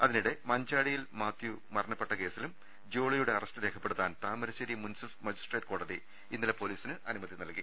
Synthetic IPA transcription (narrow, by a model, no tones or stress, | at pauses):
ɐðiniɽe̞mɐɲd͡ʑaːɽijilmaːt̪ju | mɐrɐɳɐpːe̞ʈːɐke̞ːsilum | d͡ʑo̞ːɭijuɽeɐrɐstɨɾekʰɐpːeɽut̪ːaːnt̪aːmɐɾɐɕɐɾimunsɐfmɐd͡ʑisʈreːʈ̚ko̞ːɽɐði | inːilepo̞ːliːsinɨʔɐnumɐd̪ʱinɐlki